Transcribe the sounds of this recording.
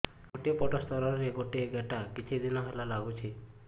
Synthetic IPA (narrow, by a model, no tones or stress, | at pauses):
ɡoʈiɔpɔʈɔst̪ɔɾɔɾeɡoʈieɡeʈakit͡ʃʰid̪inɔɦelalaɡut͡ʃʰi